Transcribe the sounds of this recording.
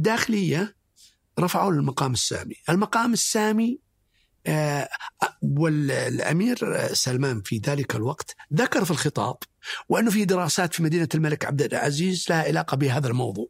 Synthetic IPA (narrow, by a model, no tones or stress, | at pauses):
ʔd̪ːaːxɪlɪjːa | ɾˤɑfaʕuːlɪlmɑqɑːmɪsːa̰ːmiʔɪlmɑqɑːmɪsːaːmi | wɪlʔa̰miːɾsalmaːnfiðaːlɪkalwɑqt̪ðakɑɾˤfilxɨt̪ˤɑ̰ːb̥wɪʔɪnːufiːd̪ɪɾɑːsaːt̪fimad̪iːnalmalɪkʕabd̪ɪʕa̰ziːzlahaʕɪlaːqɑbɪɦaːðalmɑwðˤuːʕ